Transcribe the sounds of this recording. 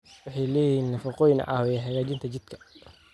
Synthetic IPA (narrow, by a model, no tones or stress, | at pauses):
ʊħɑjlɛːjiːnnɐfɐqɔjnɐ̰ʔɑːwjɐħɐɣaːt͡ʃɪnt̪ʰɐt͡ʃɪd̪̥kʰɐ̥